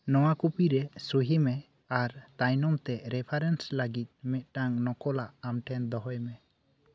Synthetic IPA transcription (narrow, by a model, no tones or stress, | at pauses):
nɔwakupiɾɛsuɦimɛ | aɾt̪ajnɔmt̪ɛɾɛpʰaɾɛnslaɡit̪̚mɛt̪̚ʈaŋnɔkɔlaʔamʈʰɛnd̪ɔɦɔjmɛ